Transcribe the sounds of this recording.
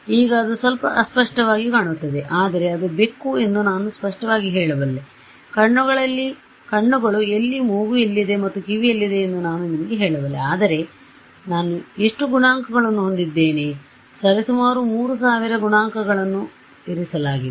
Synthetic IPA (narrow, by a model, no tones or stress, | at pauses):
iːɡɐːd̪usʋɐlpɐʔɐspɐʂʈɐʋaːɡikaːɳut̪ːɐd̪e̞ʔaːd̪ɐɾe̞ɐd̪ube̞kːue̞nd̪unaːnuspɐʂʈɐʋaːɡiɦɛːɭɐʋɐlːe | kɐɳːuɡɐɭɐlːi | kɐɳːuɡɐɭue̞lːimuːɡuelːid̪e̞mɐt̪ːukiʋiɐlːid̪e̞ːnd̪unaːnunimɐɡeɦɛːɭɐʋɐlːeaːd̪ɐɾe̞ | naːnueʂʈuɡuɳaːŋkɐɡɐɭɐnːuɦo̞nd̪id̪ːe̞ːne | sɐɾɐsumaːɾumuːɾus̬aːʋiɾɐɡuɳaːŋkɐɡɐɭɐnːu | eɾisɐlaːɡi